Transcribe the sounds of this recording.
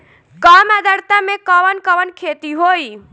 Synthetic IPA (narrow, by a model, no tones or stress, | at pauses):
kɔmad̪ʱəɾt̪amekəʋənkəʋənkʰet̪iɦoi